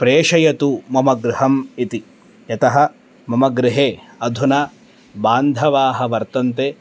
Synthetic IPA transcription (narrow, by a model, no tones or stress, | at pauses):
pɾeːʂɐjɐt̪umɐmɐɡɾɪɦɐmit̪i | jɐt̪ɐɦɐ̆ | mɐmɐɡɾɪɦeː | ɐd̪ʱunɐ | baːnd̪ʱɐʋaːɦɐʋɐɾt̪ɐnt̪eː